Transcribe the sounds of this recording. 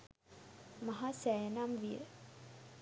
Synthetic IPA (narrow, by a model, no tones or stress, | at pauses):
maɦasæjənamʋijə̰